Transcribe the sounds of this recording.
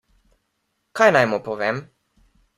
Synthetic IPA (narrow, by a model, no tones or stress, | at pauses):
kajnajmɔpɔʋem